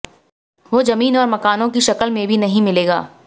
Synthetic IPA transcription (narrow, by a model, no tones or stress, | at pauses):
ʋoːzɐmiːnɔːɾmɐkaːnõkiʃɐkəlmẽbʱinɐɦĩmɪleːɡa̰ː